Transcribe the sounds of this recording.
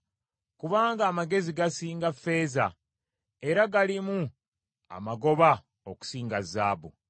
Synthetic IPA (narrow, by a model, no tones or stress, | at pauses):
kuβaːŋɡaːmaɡe̞ziɡasiːŋɡafːe̞ːza̰ | e̞ɾaɡalimu | a̰maɡo̞βa | oku̥siːŋɡazːaːbṵ